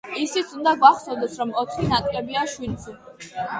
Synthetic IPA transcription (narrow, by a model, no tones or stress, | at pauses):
isit̪sʰund̪aɡwaχsɔvd̪ɛsɾɔmɔt̪ʰχinak̪ʼlɛbiaʃwilsʰu